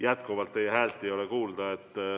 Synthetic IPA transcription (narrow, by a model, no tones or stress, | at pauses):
jæt̪kuvɑlt̪ːejhæːlt̪ːˑiejo̞lekuːld̪̥ɑet̪ː